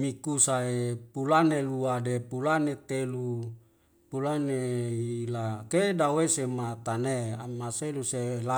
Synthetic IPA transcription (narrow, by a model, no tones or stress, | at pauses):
mikusaepulaneluadepulanet̪elu | pulaneilakedawesemat̪aneamaselusela